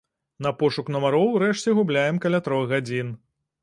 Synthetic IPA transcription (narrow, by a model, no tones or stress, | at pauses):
nɐpɔʂuknɐmɐɾɔwɾɛʂt͡sʲɛɣublʲajɛmkalʲat̪ɾɔɣɣad͡zʲin